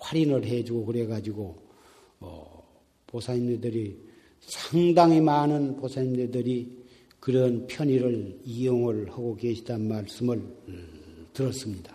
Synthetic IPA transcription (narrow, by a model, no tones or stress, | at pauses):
ɸwaɾinɯɭɦed͡ʑuɡokɯɾeɡad͡ʑiɡo | ʌ̰ | posʰaɲimnedɯɾi | sʰaŋdaŋimanɯnposʰaɲimnedɯɾi | kɯɾʌnpʰjʌɲiɾɯɭijoŋɯɭhaɡokeɕʰidanmaɭs͈ɯmɯɭ | tɯɾʌs͈ɯmɲidḁ